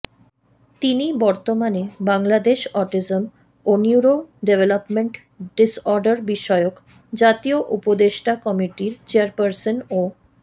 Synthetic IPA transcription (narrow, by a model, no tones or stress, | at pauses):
t̪inibɔɾt̪omanebaŋlad̪eʃɔɾʈid͡ʑom | oniuɾoɖevelopmeɳʈ | ɖisɔɾɖaɾbiʃɔeok | d͡ʑat̪ioʔupod̪eʃʈakɔmiʈiɾt͡ɕeaɾpəɾsono